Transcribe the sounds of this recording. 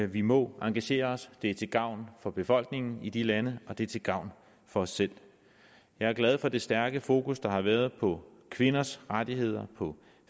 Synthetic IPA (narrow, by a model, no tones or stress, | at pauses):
ʋimɒ̽ɑ̈ŋɡ̥æɕe̝̰ːɐɒ̽sd̥e̝ɐt͡sʰe̝ɡ̥ɑ̈ʊ̰nfɒ̽b̥e̝fɒ̽l̰ɡ̥ne̝ŋn̩id̥ilænəɒ̽d̥e̝t͡sʰe̝lɡ̥ɑ̈ʊ̰n | fɒ̽ɒ̽sːel̰ | jɑ̈ɪæɐɡ̥lɛð̞ˠfɒ̽d̥e̝sd̥æɐɡ̥əfo̝ːkusd̥ɑ̈hɑ̈ʋæːɐð̞ˠpʰɒ̽kʰʋe̝nɐsʁad̥iɦe̝ð̞̰ˠɐpʰɒ̽